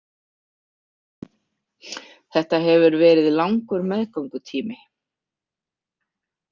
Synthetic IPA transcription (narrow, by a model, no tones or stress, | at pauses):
θɛht̪aɦɛvʏɾvɛːɾɪðilawŋkʏɾmɛðkʰɔŋkʏt̪ʰiːmɪ